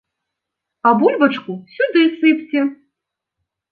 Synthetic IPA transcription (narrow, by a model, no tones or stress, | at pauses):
ɐbulʲbɐt͡ʂkusʲud̪ɨsɨpt͡sʲɛ